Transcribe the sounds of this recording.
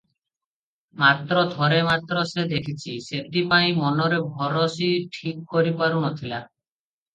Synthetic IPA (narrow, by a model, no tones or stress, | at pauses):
mat̪ɾɔd̪ʱɔɾemat̪ɾɔsed̪ekʰit͡ʃʰiseʈipaĩmɔnɔɾebʱɔɾɔsiʈʰikːɔɾipaɾunɔt̪ʰila